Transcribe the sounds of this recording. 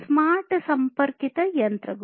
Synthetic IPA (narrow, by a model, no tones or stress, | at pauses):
smaːɾʈsɐmpɐɾkit̪ɐjɐnt̪ɾɐɡ